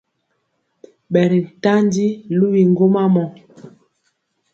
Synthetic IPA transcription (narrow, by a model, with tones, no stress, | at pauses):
ɓɛ˨ɾi˨n̩˨ta˦n˦di˦lu˦wi˨ŋ˦ɡo˦ma˦mɔ˨